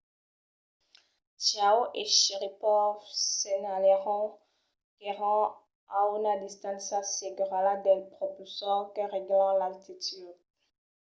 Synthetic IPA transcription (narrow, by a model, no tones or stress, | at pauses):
t͡ʃawʔeʃiʁipɔfsenaleʁɔ̃ | keʁɑ̃ | aynad̪ist̪ɑ̃nsaseɡʁalad̪ɛlpχɔpysɔʁkəʁeɡlɑ̃lalt̪it̪yd̪